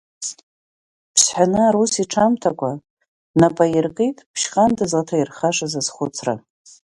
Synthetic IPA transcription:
pʰsħʷanɨaɾusiʈ͡ʂʰamtʰakʷʰʼa | napʼajɪrɡʼejtʼpʰʃχʼandɨzʁatʰajirχaʂazazχʷʊt͡sʰra̰

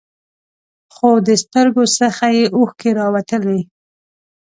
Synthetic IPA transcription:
xod̪əst̪əɾɡosəxajeʔoxkeɾɑwat̪əli

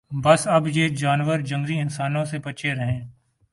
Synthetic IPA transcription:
bɐsɐbjeːd͡ʒaːnʋəɾd͡ʒɐ̃ŋɡɾiɪnsaːnõsebɐt͡ʃʰeɾɐɦẽː

